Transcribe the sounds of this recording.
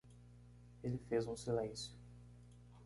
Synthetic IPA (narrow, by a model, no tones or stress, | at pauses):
elɪfezũsilẽsjʊ